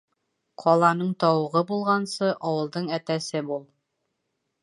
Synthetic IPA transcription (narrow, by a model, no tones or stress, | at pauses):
qʰɒlˠɑnɤɴt̪ɑwɤ̆ʁɤbulˠʁɑnsɤʔɒwɤ̆lˠd̪ɤɴæt̪æsɘbulˠ